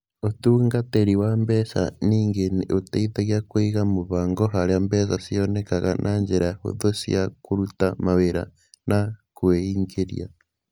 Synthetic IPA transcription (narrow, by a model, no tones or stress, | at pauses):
otuːŋɡateɾiwambesa̰niːŋɡenotaiðaɣjakweɣamoβaːŋɡoɦaɾjambes̬asionekaɣa̰nʔaɲd͡ʒeɾajaho̰ðosḭakuɾutamaweɾa̰ | nakweiːŋɡeɾj̰a̰